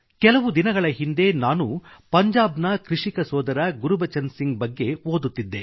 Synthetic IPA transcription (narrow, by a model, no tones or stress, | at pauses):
kɛlɐʋud̪inɐɡɐɭɐɦind̪e̞naːnupɐɲd͡ʒaːbnɐkɾiʂikɐsɔːd̪ɐɾɐɡuɾubɐt͡ʃɐnsiŋɡ̚bɐɡːe̞oːd̪ut̪ːid̪ːe̞